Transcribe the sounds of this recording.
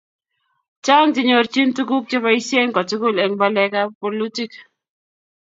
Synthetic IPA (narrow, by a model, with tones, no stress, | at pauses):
t͡ʃa˦ŋd͡ʒɪ˦ɲo˦ɾt͡ʃi˦ntu˦ku˦k̚t͡ʃɪ˦βa˦i˦sje˦ŋkɔ˨ti˦ku˦˨le˨ŋba˦lɛ˦ka˦po˨li˦ti˦k